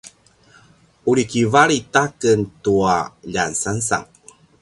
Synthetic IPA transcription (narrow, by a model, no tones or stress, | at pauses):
uɾikivaɭitakəntuaʎansansa̰ŋ